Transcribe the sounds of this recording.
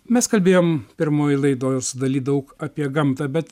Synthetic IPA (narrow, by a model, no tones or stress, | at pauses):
mʲɛskɐlʲbʲeːjoːmpʲɪɾmoːjlˠɐɪd̪oːjsʊd̪ɐlʲiːd̪ɐʊkɐːpʲiɛɡɐmt̪ɐːbʲɛt̪